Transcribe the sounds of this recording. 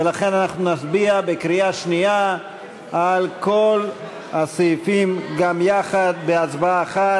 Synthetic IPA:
velaχe̞nanaχnunasbiabekɾiaʃniaː | lko̞l | hasejfimɡamjaχad̪̚beat͡sbaaːχa

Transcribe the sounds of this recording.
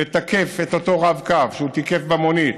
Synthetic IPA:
et̪ake̞fet̪ot̪o̞ʁavkavʃeut̪ike̞fbamonit̪

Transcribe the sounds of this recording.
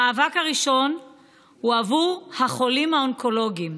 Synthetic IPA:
aːvakhaʁiʃo̞n | huavuʁhaχo̞limhaonkʰo̞lo̞ɡim

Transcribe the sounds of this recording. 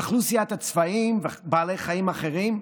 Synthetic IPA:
aχlusiat̪at͡svaimvebaːle̞jχaimaχeʁim

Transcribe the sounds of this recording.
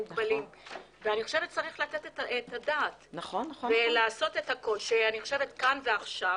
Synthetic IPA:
uɡbalim | veaniχo̞ʃe̞vet̚t͡saʁiχlateteetadaːtnaχnvelaːso̞tethako̞ʃianiχoʃe̞vetkanveaχʃav

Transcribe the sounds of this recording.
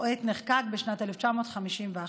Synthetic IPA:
et̪neχkaɡ̚beʃnat̪eleft͡ʃamo̞ːt̪χamiʃimvea

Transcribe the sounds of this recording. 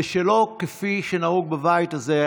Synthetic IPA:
eʃelo̞kefiʃenauɡ̚bevajtaze

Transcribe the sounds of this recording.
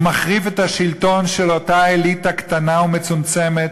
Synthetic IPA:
maχʁivet̪haʃilto̞nʃe̞lo̞taelitaktanaumet͡sumt͡se̞met

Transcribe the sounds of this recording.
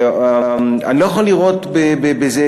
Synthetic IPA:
aa̰nilo̞jaχoliʁotbebebeze

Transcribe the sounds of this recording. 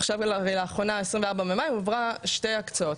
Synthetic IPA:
aχʃavlaʁejlaːχʁo̞naesʁĩmveaʁbamemajimavʁaʃtejakt͡sao̞t

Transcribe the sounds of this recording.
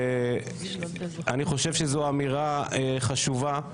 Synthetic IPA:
aniχo̞ʃevʃezoamiʁaeχaʃuva

